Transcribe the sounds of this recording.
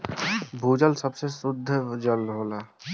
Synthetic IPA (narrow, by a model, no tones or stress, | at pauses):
bʱuːd͡ʒəlsəbsesʊd̪ʱːd͡ʒəlɦoːlaː